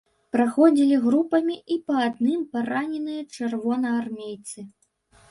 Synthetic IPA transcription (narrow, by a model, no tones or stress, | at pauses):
pɾaxɔd͡zʲilʲiɣɾupɐmʲiʔipɐːd̪nɨmpaɾanʲɛnɨjɐt͡ʂɨrvɔnɐarmʲejt̪sɨ